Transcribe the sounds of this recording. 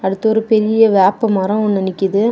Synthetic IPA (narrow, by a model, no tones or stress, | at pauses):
ɐɽɯt̪ːɐɔɾɯpɛɾɪjɐʋaːpːɐmɐɾɐ̃ʊnːɐnɪkːɯðɯ